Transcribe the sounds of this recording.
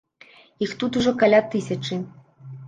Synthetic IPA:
ixt̪ut̪uʐɔkalʲat̪ɨsʲɐt͡ʂɨ

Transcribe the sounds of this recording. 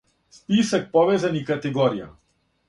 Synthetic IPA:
spisak̚pɔvɛzanikat̪ɛɡɔɾija̰

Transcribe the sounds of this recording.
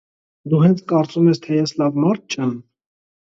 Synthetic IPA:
d̪uɦɛnt͡sʰkɑɾt͡sumɛst̪ʰɛjɛslɑvmɑɾt̪̚ʰt͡ʃʰɛn

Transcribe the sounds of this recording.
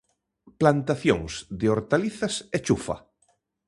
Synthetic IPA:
plant̪aθjõŋsðeoɾt̪aliθaset͡ʃufa̰

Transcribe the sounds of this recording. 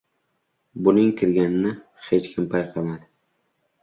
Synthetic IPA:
bʊnɪŋkʲʰɪɾɡʲanɪnɪ | het͡ʃkʲʰɪmpʰajqʰɑmad̪ɪ

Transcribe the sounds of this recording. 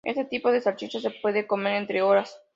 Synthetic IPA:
ʔest̪et̪ipo̞ðesaɾt͡ʃit͡ʃos̬e̞pwe̞ðeko̞me̞ɾent̪ɾeoɾas

